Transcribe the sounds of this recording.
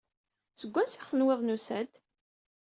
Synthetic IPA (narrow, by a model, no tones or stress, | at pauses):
səɡʷːænsɪχθənweðˤnusæd̪